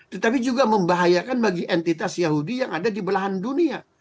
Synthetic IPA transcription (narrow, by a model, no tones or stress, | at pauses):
t̪ət̪apid͡ʒuɡaməmbaɦajakanbaɡiʔɛnt̪it̪asjaɦudijaŋadadibəlaɦandunia